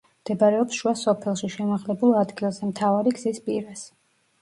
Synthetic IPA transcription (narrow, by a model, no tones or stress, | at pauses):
md̪̥ɛbaɾɛɔpsʃuasɔpʰɛlˠʃiʃɛmaʁlɛbulˠad̪ɡilˠzɛmt̪ʰavaɾiɡz̥ispʼḭɾas